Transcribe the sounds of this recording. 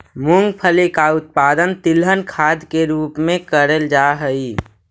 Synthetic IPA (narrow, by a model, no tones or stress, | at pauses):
mʊ̃ŋɡpʰəlekaʊt̪̚paːd̪ənt̪ɪlɦənkʰaːd̪keɾuːpmẽkəɾəld͡ʒaɦəi